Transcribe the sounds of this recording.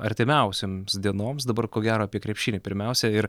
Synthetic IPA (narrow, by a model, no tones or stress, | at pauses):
ɐɾʲt̪ʲɪmʲɛʊsʲoːmsd̪ʲiɛnoːmsd̪ɐbɐrkoːɡʲæːɾoːɐpʲiɛkɾʲɛpʲʃʲiːnʲeːpʲɪɾʲmʲɛʊsʲɛɪɾ